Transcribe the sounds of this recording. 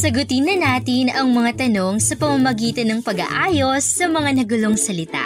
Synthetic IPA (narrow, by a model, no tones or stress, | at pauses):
sɐɡʊt̪ɪnːɐnaːt̪ɪnɐŋmɐŋat̪ɐno̞ŋsɐpɐmɐmɐɡiːt̪ɐnːɐŋpɐɡɐ̰ʔaːjo̞sːɐmɐŋanɐɡʊlo̞ŋsɐlɪt̪a̰ʔ